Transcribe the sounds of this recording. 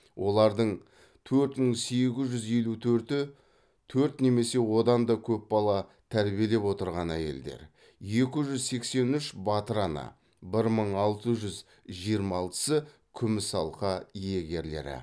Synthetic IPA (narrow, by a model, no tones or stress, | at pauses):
wʔo̞lˠɑɾd̪əɴ | t̪ʰɵɾt̪məɴse̞ɡʲɪzʒʏzje̞lut̪ʰɵɾt̪ɪ | t̪ʰɵɾt̪ne̞me̞se̞wo̞d̪ɑnd̪ɑkʲʰɵp̚bɑlˠɑt̪ʰæɾbije̞le̞pwo̞t̪əɾʁɑnæje̞̰ld̪e̞̰ɾ | je̞kʲɪʒʏzse̞kse̞nʏʃbɑt̪əɾɑnə̰ | bɪɾməɴɑlˠt̪əʒʏz | ʒijəɾmɑɑlˠt̪ə̥sə | kʲʰʏmɪsɑlˠqɑije̞ɡʲe̞ɾle̞̰ɾɪ̰